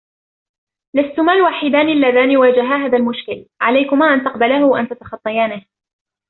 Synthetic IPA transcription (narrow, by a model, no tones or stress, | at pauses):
last̪ʊmaːlwaːħɪd̪aːnɪlːaðaːnɪwaːd͡ʒaɦaːɦaːðalmʊʃkɪlʕalajkʊmaːʔant̪ɑqbalahʊʔant̪at̪ɑ̥xɑt̪ˤːɑjaːnɪh